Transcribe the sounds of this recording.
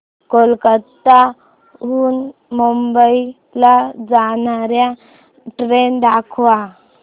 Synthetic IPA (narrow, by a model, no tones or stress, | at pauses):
kolkət̪ːa | ɦunmumbəi | lad͡ʒanaɾja | ʈɾend̪akʰa